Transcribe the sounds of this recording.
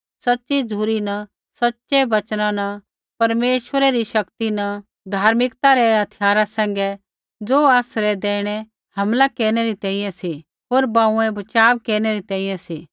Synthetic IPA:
sɐtːʃid͡zʱuːɾinɐ | sɐtːt͡ʃɛbɐt͡ʃnãnɐ | pɐɾmeːʃʋəɾɛɾiʃɐkt̪inɐ | d̪ʱaːɾmɪkt̪aɾɛɦɐt̪ʰɪjaːɾasɛ̃ːŋ̆ɡɛ | d͡zoːaːsɾɛd̪eːɽ̃ɛ | hɐmlakeːɾɽ̃ɛɾit̪ɛ̃ːĩjɛ̃si | ɦoːɾbãːũɛ̃bɐt͡ʃaːʋkeːɾñɛɾit̪ɛ̃ːĩːjɛ̃si

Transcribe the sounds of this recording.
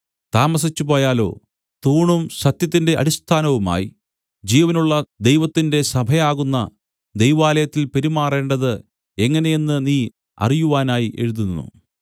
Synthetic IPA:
t̪aːmɐs̬it͡ɕːupo̞ːjaːlo̞̰ː | t̪uːɳumsɐt̪jɐt̪̬ːinde̞ʔɐ̰ɽist̪ʰaːnɐʋuma̰ːji | d͡ʑiːʋɐnuɭːɐd̪e̞jʋɐt̪ːinde̞sɐbʱɐjaːɣunːɐ | d̪e̞jʋaːlɐjɐt̪ːilpe̞ɾimaːre̞ːɳɖɐðɨ | e̞ŋːɐne̞jenːɨniː | ɐ̰rijuʋaːnaːjiʔe̞̰ɻuðunːṵ

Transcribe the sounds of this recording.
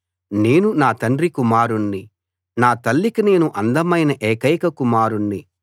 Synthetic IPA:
ne̞ːnunaːt̪ɐnɖrikumaːɾuɳːi | naːt̪ɐlːikine̞ːnuʔɐnd̪ɐmɐjnɐʔɛːkɐjkɐkumaːɾuɳːi

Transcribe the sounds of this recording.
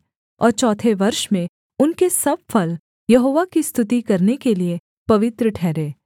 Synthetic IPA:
ɔ̰ːɾt͡ʃɔːt̪ʰeʋɐɾʃmẽ | ʊnkesɐb̚fɐl | jɐɦoːʋakist̪ʰʊt̪ikɐɾnekelie | pɐʋɪt̪ɾəʈʰɛːɾeː

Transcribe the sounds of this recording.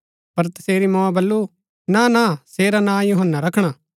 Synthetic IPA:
pɐɾt̪ɐseːɾimɔ̃ãbɐlːu | nãnãseːɾanãːjʊɦənːaɾɐkʰɽ̃aː

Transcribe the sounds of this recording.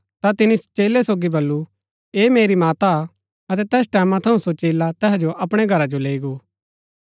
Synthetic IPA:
t̪at̪ɪnist͡ʃeːlesoːɡibɐlːu | eːmeːɾimaːt̪a | ɐt̪ɛt̪ɛːsʈɛːmãt̪ʰɐũsot͡ʃeːlat̪ɛːɦd͡ʒoʔɐpɽ̃eɡʱɐɾad͡ʒoleːiɡoː

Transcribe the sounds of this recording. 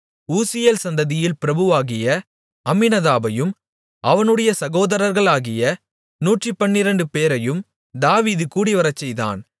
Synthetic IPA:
uːsɪjeːlsɐnd̪ɐðɪjɪlpɪɾɐbɯʋaːɣɪjɐ | ɐmːɪnɐðaːbɐjɯm | ɐʋɐnɯɽɐjɐsɐɣoːðɐɾɐɾɣɐɭaːɣɪjɐ | nuːʈripɐnːɪɾɐɳɖɯpeːɾɐjɯm | d̪aːʋiːðɯkuːɽiʋɐɾɐt͡ʃːɛjða̰ːn

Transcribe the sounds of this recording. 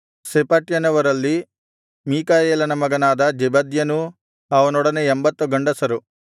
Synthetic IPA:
sepɐʈjɐnɐʋɐɾɐlːi | miːkaːjeːlɐnɐmɐɡɐnaːd̪ɐd͡ʒɛbɐd̪jɐnu | ɐʋɐnɔɽɐneembɐt̪ːuɡɐɳɖɐsɐɾu

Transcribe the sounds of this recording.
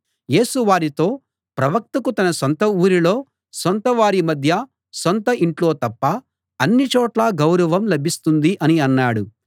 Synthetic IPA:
je̞ːsuʋaːɾit̪o̞ː | pɾɐʋɐk̚t̪ɐkut̪ɐnɐsont̪ɐuːɾilo̞ː | sont̪ɐʋaːɾimɐd̪ʱjɐ | sont̪ɐʔiɳʈlo̞ːt̪ɐpːɐ | ɐnːit͡ʃɔːʈlaːɡɐwɾɐʋɐmlɐbʱist̪und̪iʔɐniɐnːaːɽu

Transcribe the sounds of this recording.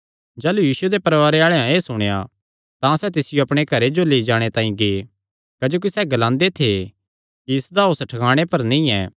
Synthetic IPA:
d͡ʒɛːlujiːsued̪epɐɾʋaːɾeaːɭeãeːsʊɽ̃eja̰ | t̪ãsɛt̪ɪsɪjoɐpɽ̃ekʰɐɾed͡ʒoleːid͡ʒaːɽ̃et̪ãːĩɡeː | kɐd͡ʒoːk̬isɛɡɐlãːnd̪et̪ʰe | kiɪsd̪aʊsʈʰɐkaːɽ̃epɐɾnĩːɛː

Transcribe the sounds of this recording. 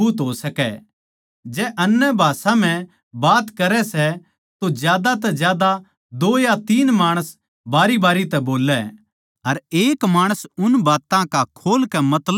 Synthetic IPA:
uːt̪ɦosɐkɛ | d͡ʒɛːʔɐnːɛbʱaːsãm̤ɛ̃ | baːt̪kɐɾɛsɛ | t̪od͡ʒjaːd̪at̪̬ɛd͡ʒjaːd̪a | d̪oːjat̪iːnmaːɽ̃əs | baːɾibaːɾit̪ɛboːlːɛ | ɐɾeːkmaːɽ̃əsʊnbaːt̪ãkakʰoːlkɛmɐt̪lə

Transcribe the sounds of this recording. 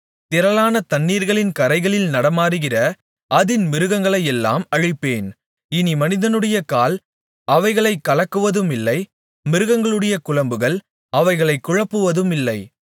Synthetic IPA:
t̪ɪɾɐlaːnɐt̪ɐnːiːɾɣɐɭɪnkɐɾɐɪɣɐɭɪlnɐɽɐmaːɾɯɣɪrɐ | ʔɐðɪnmɪɾɯɣɐŋɡɐɭɐjɛlːa̰ːmɐɻɪpːeːn | ɪnimɐnɪðɐnɯɽɐjɐkaːl | ɐʋɐɪɣɐɭɐɪkːɐɭɐkːɯʋɐðɯmɪlːɐɪ | mɪɾɯɣɐŋɡɐɭɯɽɐjɐkʊɻɐmbɯɣɐɭ | ɐʋɐɪɣɐɭɐɪkːʊɻɐpːɯʋɐðɯmɪlːɐɪ

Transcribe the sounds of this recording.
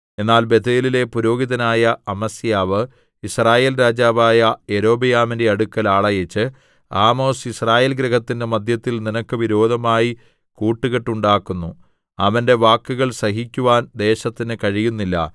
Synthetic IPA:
e̞nːaːlbe̞t̪eːlile̞puɾo̞ːɡiðɐnaːjɐɐmɐsjaːʋɨ | israːje̞ːlɾaːd͡ʑaːʋaːjɐe̞ɾo̞ːbijaːmindeɐɽukːɐlaːɭɐjɐt͡ɕːɨ | aːmo̞ːsisraːjeːlɡɾɐɦɐt̪ːindemɐd̪jɐt̪ːilninɐkːɨʋiɾo̞ːd̪ʱɐmaːji | kuːʈːuɣeʈːuɳɖaːkːunːu | ɐʋɐnde̞ʋaːkːuɣɐɭsɐɦikʲːuʋaːnd̪e̞ːɕɐt̪ːinɨkɐɻijunːilːɐ̰

